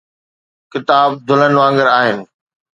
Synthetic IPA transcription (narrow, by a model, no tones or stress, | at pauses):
kɪt̪aːb̚d̪ʱʊlənʋãːŋɡəɾaːɦɪnɪ̆